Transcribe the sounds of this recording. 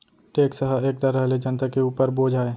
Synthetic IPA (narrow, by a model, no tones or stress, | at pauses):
ʈeːksəɦəeːk̚t̪ɐɾəɦled͡ʒɐnt̪akeuːpəɾboːd͡ʒʱaːe